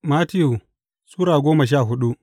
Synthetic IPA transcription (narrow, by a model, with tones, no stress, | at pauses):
maː˦tɪ˦ju˨ | suː˦ɽaː˨ɡʷoː˦mɐ˨ʃ̬aː˦˨ɦʊ˦ɗu˦ʔ